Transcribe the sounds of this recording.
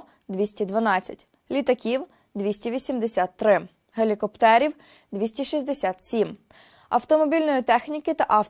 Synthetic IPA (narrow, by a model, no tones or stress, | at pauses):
d̪ʋʲisʲtʲid̪ʋɐnɑt͡sʲːɐ̰tʲ | lʲit̪ɐkʲiw | d̪ʋʲisʲtʲiʋʲisʲimd̪esʲat̪ːɾɪ | ɦelʲikɔpt̪ɛɾʲiw | d̪ʋʲisʲtʲiʃizʲd̪esʲat̪sʲim | ɐwt̪ɔmɔbʲilʲnɔjit̪ɛxnʲikɪt̪ɐʔɑw